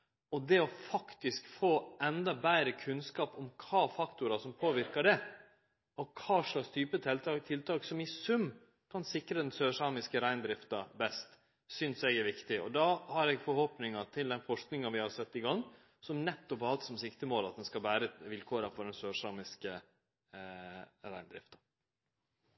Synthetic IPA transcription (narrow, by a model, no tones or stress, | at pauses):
ɔd̪ɛɔfɑkt̪ɪskfoːɛnd̪ɑbæːɾəkʰʉnskɑːpɔmkʰɑːfɑkt̪ʊɾɑsɔmpʰoːʋɪɾkɑɖɛ | ɔkʰɑːʂlɑkst̪ʰyːpət̪ʰɪlt̪ɑt̪ʰɪlt̪ʰɑːksɔmɪsʉm | kʰɑnsɪkɾəd̪ɛnsøːʂɑmɪskəɾæɪnd̪ɾɪft̪ɑbɛst̪ | sʏnsɛɡæɾʋɪkt̪ɪɔ̰d̪ɑhɑɾɛɡfɔɾhoːpnɪŋɑt̪ʰɪld̪ɛnfɔʂknɪŋɑʋɪhɑɾsɛt̪ːɪɡɑŋː | sɔmnɛt̪ːɔphɑɾhɑlt̪sɔmsɪkt̪əmoːlɑt̪̚d̪ɛnskɑbæːɾəʋɪlkʰoːɾɑfɔɖɛnsøːʂɑːmɪskə | ɾæɪnd̪ɾɪ̰ft̪ɑ̥